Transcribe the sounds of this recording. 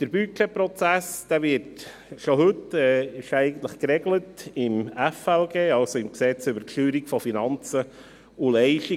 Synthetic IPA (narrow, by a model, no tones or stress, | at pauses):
d̪̥əɾbyt͡ʃɛpɾɔt͡sæsd̥æːvɪːɾt | ʃoɦɵtɛːɪʃɛɪɡən̩t̪ləχkɾɛɡlətɪmæfɛlɡeːɑlsoɪmksɛt͡sʏbəɾʃyːɾikfɔfinɑnt͡sə | ulɛɪʃti